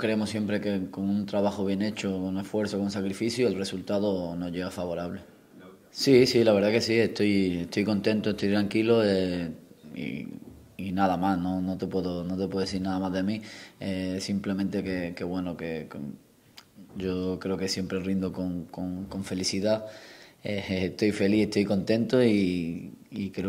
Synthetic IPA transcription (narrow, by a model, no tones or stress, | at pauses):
kɾeemosje̞mpɾe̞keko̞ŋunt̪ɾaβaxoβje̞ne̞t͡ʃokone̞sfwe̞ɾθokounsakɾifiθjuelre̞sult̪aðono̞ʝe̞ɣafaβo̞ɾaβle | sisilaβ̞e̞ɾðake̞sie̞st̪oje̞st̪ojkõ̞nt̪ẽ̞nt̪oest̪ojt̪ɾaŋkiloe | ḭ | inaðamasno̞no̞t̪epwe̞ðonot̪epwe̞eθiɾnaðamaðemiesimple̞mẽnt̪e̞keke̞βwe̞nokek | ɟ͡ʝo̞kɾeoke̞sje̞mpɾe̞rind̪okoŋkoŋko̞ɱfe̞liθiða | eeet̪o̞jfe̞lihe̞ht̪o̞jko̞nt̪ẽ̞nt̪oi | ikɾeo